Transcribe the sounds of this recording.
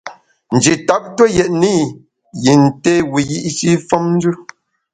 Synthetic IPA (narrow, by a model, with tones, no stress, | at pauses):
n̩˨d͡ʒi˨ta˨˦p̚tə˦jɛ˨ʔni˦ | ji˨n̩˨te˦wi˨ji˦ʔʃi˦fɔ˦mn̩˦d͡ʒʉ˦